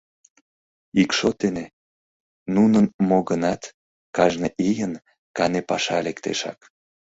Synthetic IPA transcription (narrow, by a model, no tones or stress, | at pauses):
ikʃot̪ene | nunənmoɣənɑt̪ | kɑʒneʔijən | kɑnepɑʃɑlekt̪ḛʃɑ̰k